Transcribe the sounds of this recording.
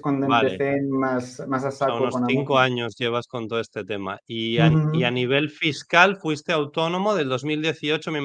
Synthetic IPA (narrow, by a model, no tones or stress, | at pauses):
kwand̪oeaeθenmasmas̬asaunosonaθiŋkoaɲo̞zʝe̞β̞asko̞nt̪oest̪e̞t̪e̞ma̰iaianiβ̞e̞lfiskalfwist̪eawt̪o̞nõ̞mo̞ð̞e̞ld̪o̞zmild̪je̞θio̞t͡ʃome